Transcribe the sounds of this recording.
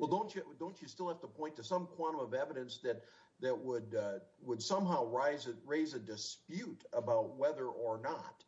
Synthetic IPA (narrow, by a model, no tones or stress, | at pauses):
wɛlˠdõʊ̃nt͡ʃɨdõʊ̃nt͡ʃɨstɪlˠhæftəpʰɔ̃ɪ̃ntʰɨsʌ̃mkʰw̥ɑ̃ɾ̃ə̃mʌvɛvɨɾɨ̃nsðɨt̪̚ | ðɨʔ̚wəd̚wəd̥sʌ̃mɦaʊɹaɪzɨɹeɪzɨdɨspjʉɾəbaʊt̚wɛðə˞ʔə˞nət̚